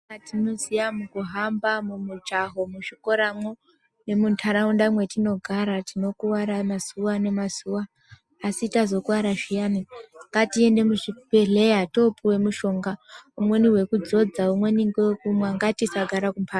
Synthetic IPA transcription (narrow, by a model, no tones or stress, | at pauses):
atino̞zijamukuɦambamumud͡ʒaɦomuʃiko̞ɾamo̞ | ne̞muntʰaɾaundamwe̞tino̞ɡʱaɾatino̞kuwaɾamaz̥uwane̞mazuwaː | sitazo̞kuwaɾaʐijaniŋɡatie̞nde̞muʐipeɮe̞jato̞puwe̞muʃo̞ŋɡaumwe̞niwe̞kud͡zo̞d͡zaumwe̞niŋɡewkumwaŋɡatisaɡʱaɾakumpʰa